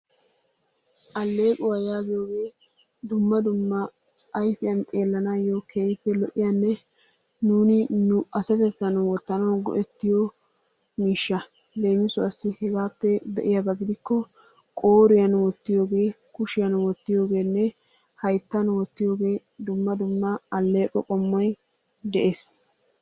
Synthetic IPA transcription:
ʔɐlːe̞ːkʼʊwɐjaːɡɪjo̞ːɡe̞ː | d̪ʊmːɐd̪ʊmːɐ | ʔɐjfɪjɐnt̪ʼe̞ːlːɐnaːjokʰeːjɪpːɛlɔʔɪjɐnːɛ | nuːnɪnʊɐsɐt̪ɛt̪ːɐnwɔt̪ːɐnɐɡɔ̰ʔɛt̪ːɪjo | miːʃːɐ | d̪ejmɪsʊɐsːɪhɛɡaːpːɛd̪ɛʔɪjɐbɐɡɪd̪ɪkːɔ | kʼoːɾɪjɐnwɔt̪ːɪjo̞ːɡe̞ː | kʊʃɪjɐnwɔt̪ːɪjo̞ːɡe̞ːnːɛ | hɐjt̪ːɐnwɔt̪ːɪjo̞ːɡe̞ː | d̪ʊmːɐd̪ʊmːɐɐlːe̞ːkʼɔkʼɔmːɔj | d̪ɛʔeːs

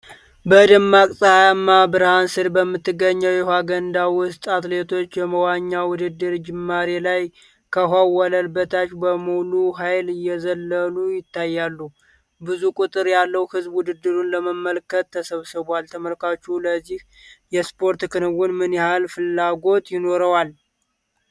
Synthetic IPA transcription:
bəd̪əmːakʼsʼəhajamːabɨɾhansɨɾbəmːɨt̪ːɨɡːəɲːəwjɛhwaɡənd̪awʊst̪ʼat̪le̞t̪ʰo̞t͡ʃːjɛməwaɲːawʊd̪ɨd̪ːɨɾd͡ʒɪmːaɾelaj | kʰəɦawɔləlbət̪ʰat͡ʃːbəmuluɦajlɨjːɛzəlːəlujɪt̪ːajːalːu | bɨzukʼut̪ʼɨɾjalːəwhɨzbwʊd̪ɨd̪ːɨɾunləməmːəlkət̪ʰːəsəβsɨβalt̪ʰəməlkat͡ʃːuləzːih | jɛspʰo̞ɾt̪kʰɨnɨwunmɨnjɛhalfɨlːaɡo̞t̪jɪno̞ɾəwal

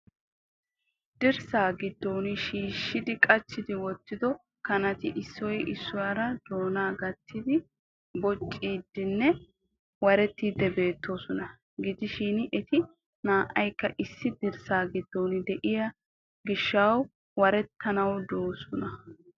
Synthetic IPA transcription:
d̪̥ɪɾsaːɡɪd̪ːonɪʃiːʃːɪd̪ɪkʼɐt͡ʃːɪd̪ɪwɔt̪ːɪd̪ɔ | kɐnɐt̪ɪʔɪsːɔjʔɪsːʊjɐɾɐd̪̥o̞ːnaːɡɐt̪ːɪd̪ɪ | bɔt͡ʃʼːiːd̪ːɪnːɛ | wɐɾɛt̪ːiːd̪ːɛbe̞ːt̪ːo̞ːsɔnɐ | ɡɪd̪ɪʃiːnɪʔɛt̪ɪ | naːʔɐjkːɐʔɪsːɪd̪ɪɾsaːɡɪd̪ːoːnɪd̪ɛʔɪjɐ | ɡɪʃːaw | wɐɾɛt̪ːɐnɐwd̪oːsɔnɐ

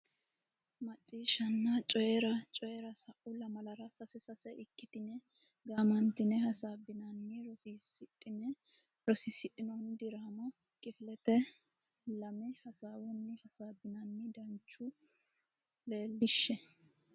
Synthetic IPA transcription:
mɐt͡ʃʼːiːʃɐnːɐt͡ʃʼɔjɛɾɐt͡ʃʼɔjɛɾɐsɐʔʊlɐmɐlɐɾɐsɐsɛsɐsɛʔɪkːɪt̪ɪnɛ | ɡaːmɐnt̪ɪnɛhɐsaːbɪnɐnːɪɾɔsiːsɪtʼːɪnɛ | ɾɔsisɪtʼːɪnɔnd̪ɪɾaːmɐ | kʼɪfɪlɛt̪ɛ | lɐmɛhɐsaːwɔnːɪhɐsaːbɪnɐnːɪd̪ɐnt͡ʃːʊ | le̞ːlːɪʃːɛ

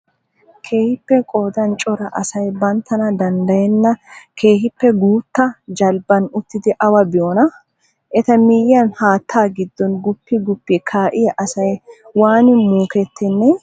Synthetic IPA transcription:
kʰe̞ːhɪpːɛkʼoːd̪ɐnt͡ʃʼɔɾɐʔɐsɐjbɐnt̪ːɐnɐd̪ɐnd̪ɐjɛnːɐkʰe̞ːhɪpːɛɡuːt̪ːɐd͡ʒɐlbɐnʊt̪ːɪd̪ɪʔɐwɐbɪjoːnɐ | ʔɛt̪ɐmɪjɐnhaːt̪ʰːaːɡɪd̪ːɔnɡʊpːɪɡʊpːɪkʰaːʔɪjɐʔɐsɐjwaːnɪmuːkɛt̪ːɪnːɛ

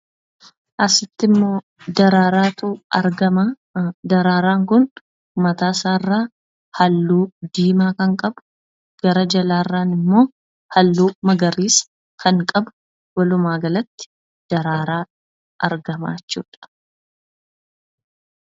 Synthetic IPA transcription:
ʔɐsɪt̪ːɪmːo̞ː | d̪ɐɾaːɾaːt̪uːɐɾɡɐma | d̪ɐɾaːɾaːŋkʊn | mɐt̪aːsaːrːaː | hɐlːuːd̪iːmaːkɐŋkʼɐbʊ̥ | ɡ̥ɐɾɐd͡ʒɐlaːrːaːnɪmːo̞ː | hɐlːuːmɐɡɐɾiːs | kʰɐŋkʼɐbʊ̥ | wɐlʊmaːɡɐlɐt̪ːɪ̥ | d̪̥ɐɾaːɾaː | ʔɐɾɡɐma̰ːt͡ʃːṵːᶑɐ̥

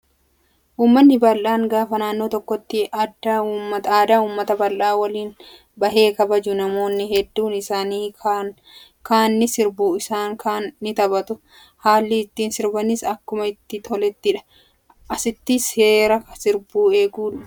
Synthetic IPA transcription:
ʔuːmːɐnːɪbɐlʔaːŋɡaːfɐnaːnːo̞ːt̪ɔkːɔt̪ːɪʔɐd̪ːɐuːmːɐt̪aːd̪aːuːmːɐt̪ɐbɐlʔaːwɐliːn | bɐɦe̞ːkɐbɐd͡ʒʊnɐmo̞ːnːɪɦɛd̪ːuːnɪsaːniː | kaːnːɪsɪɾbuːɪsaːŋkʰaːnːɪt̪ɐbɐt̪ʊ | haːlːɪːt̪ːiːnsɪɾbɐnɪsɐkːʊmɐɪt̪ːɪt̪ʰɔlɛt̪ːɪᶑɐ̥ | ʔɐsɪt̪ːɪshe̞ːɾɐkɐsɪɾbuːeːɡuːᶑɐ̥

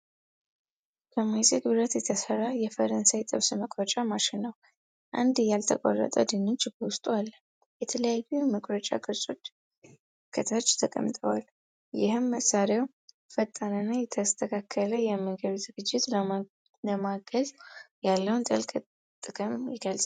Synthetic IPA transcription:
kʰəmajsʼet̪uɾət̪jɛt̪ʰəsərːajɛfəɾənsajit̪ʼɨβsɨməkʼɾət͡ʃʼamaʃɪnːəw | ʔa̰nd̪jalt̪ʰəkʼo̰rːə̰t̪ʼəd̪ɨnːot͡ʃːbwʊst̪ʼualːə | jɛt̪ʰələjajuməkʼɾət͡ʃʼa̰ɡʼɨsʼod̪ | kʰːət̪ʰat͡ʃːt̪ʰəkʼə̰mt̪ʼəwal | jɪhɨmːəsːaɾaw | fət̪ʼːəɾənːajɛt̪ʰəst̪ʰəkʰakʰːələjɛməɡəβzɨɡɨd͡ʒːɪt̪ | ləmaɡəzjalːəwnt̪ʼə̰lkʼ | t̪ʼɨkʼɨmjɪɡəlsʼ

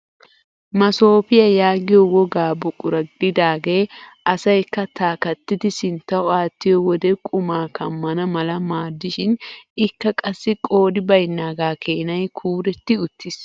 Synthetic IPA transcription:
mɐso̞ːpɪjɐjaːɡɪjɔwɔɡaːbʊkʼʊɾɐɡd̪ɪd̪aːɡe̞ːʔɐsɐjkːɐt̪aːkɐt̪ːɪt̪ɪsɪnt̪ːɐɔaːt̪ːɪjɔwɔd̪ɛkʼʊmaːkʰɐmːɐnɐmɐlɐmaːd̪ːɪʃɪnɪkːɐkʼɐsːɪkʼo̞ːd̪ɪbɐjnːaːɡaːkʰeːnɐjkʰuːɾɛt̪ːɪʊt̪ːɪs

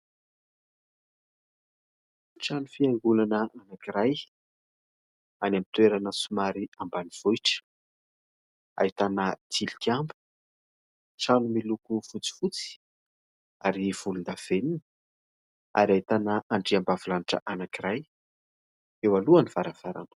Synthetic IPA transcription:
ʈ͡ʂanufiaŋɡulanəʔanakiɾaj | anamit̪weɾanəsumaɾiambaniv̥ujʈ͡ʂə̥ | a̰it̪anət̪ilikʲambu̥ | ʈ͡ʂanumilukufut͡si̥fut͡si̥ | aɾiv̥ulund̪av̥eninə̥ | a̰ɾiait̪anəaɳɖ͡ʐiambavulaniʈ͡ʂə̰ʔanakiɾaj | ewaluanivaɾav̥aɾa̰nə̥

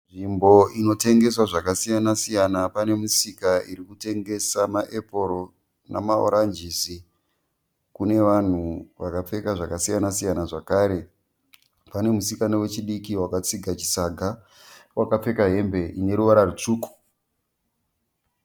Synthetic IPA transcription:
ʐimbo̞ino̞te̞ŋɡe̞swaʐakasijanasijanapane̞musikaiɾikute̞ŋɡe̞samaʔe̞po̞ɾo̞ | na̰mao̰ɾand͡ʒisi | kune̞ʋan̤uʋakap͡fe̞kaʐakasijanasijanaʐakaːɾe̞ | pane̞musikanowe̞t͡ʃiɗikiwakat͡siɡʱat͡ʃisaɡʱa | wakap͡fe̞kaɦe̞mbe̞ine̞ɾuʋaɾarut͡ʂuːku̥

